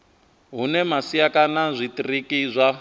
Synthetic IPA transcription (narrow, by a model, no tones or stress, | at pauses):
ɦunɛmasiakanazʷitʼirikizʷa